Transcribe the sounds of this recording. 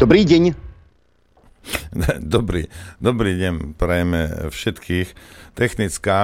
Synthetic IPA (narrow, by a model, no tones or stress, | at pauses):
d̥̪ɔbɾiːɟɛɲ | d̪ɔbɾḭːd̪ɔbɾiːɟɛɲpɾɛjmɛ̰fʃɛt̪kʰiːxt̪ɛxnit͡skaː